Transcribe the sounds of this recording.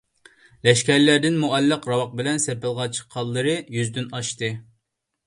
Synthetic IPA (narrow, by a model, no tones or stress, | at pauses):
lɛʃkʲɛɾlæɾd̪ɪnmuʔɛlːɨqɾɑwɑq̚bɪlɛnseɾpɪlˠʁɑt͡ʃʰqʰːɑlˠːɨɾɨjyzd̪ynɑʃt̪ɨ